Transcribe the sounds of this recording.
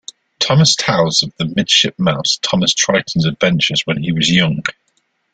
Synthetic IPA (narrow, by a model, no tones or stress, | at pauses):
tʰɒməstʰaʊzəvðəmɪd̥ʃɪp̚maʊstʰɒməstʰɹ̥aɪʔn̩zədvɛ̃nt͡ʃəzwə̃niwɒzjʌ̃ŋ